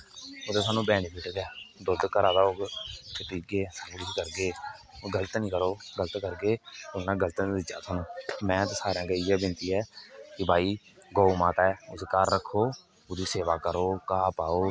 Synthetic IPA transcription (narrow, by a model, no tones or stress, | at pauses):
ʊd̪eːsaːnũːbɛːnipʰɪʈɡɛːd̪ʊd̪kəɾaːd̪aːoːɡkɪʈiːɡeːsaːnũːɪskəɾɡeːɡələt̪nĩːkəɾoːɡələt̪kəɾɡeːʊnãːɡələt̪ːd̪ɪd͡ʒa̰ːt̪ʰaːnũːmɛ̃ːt̪ːsaːɾãːɡəiːɛːbɪnt̪iːɛːkɪbʱaːiː | ɡoːumãːt̪ɛːʊskəɾːəkʰːoː | ʊd̪iːseːʋaːkəɾoːkaːpaːoː